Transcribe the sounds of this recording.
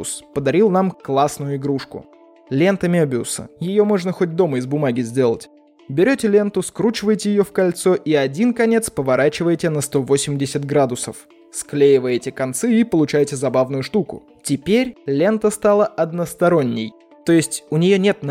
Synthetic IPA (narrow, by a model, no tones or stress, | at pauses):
spəd̪ɐɾʲilˠnamklˠasnʊjʊɪɡɾuʂkʊ̰ | lʲe̞nt̪əmʲebʲɪʊ̰sə̰jɪjo̞mo̞ʐnəxo̞t̚ʲd̪o̞məɪzbʊmaɡʲɪzʲdʲe̞lˠə̰tʲ | bʲɪɾʲotʲɪlʲe̞nt̪ʊskɾut͡ɕɪvəjtʲɪjɪjo̞fkɐlʲt̪so̞ʔiɐdʲinkɐnʲe̞t̪spəvɐɾat͡ɕɪvəjtʲɪnəst̪o̞vo̞sʲɪmʲdʲɪsʲɪt̪ɡɾad̪ʊsə̰f | sklʲejɪvəjɪtʲɪkɐnt̪sɨipəlˠʊt͡ɕæjtʲɪzɐbavnʊjʊʂt̪ukʊ̰ | tʲɪpʲeɾʲlʲe̞nt̪əst̪alˠəɐd̪nəst̪ɐɾo̞nʲːɪj | t̪o̞jɪsʲtʲʊnʲɪjo̞nʲet̪n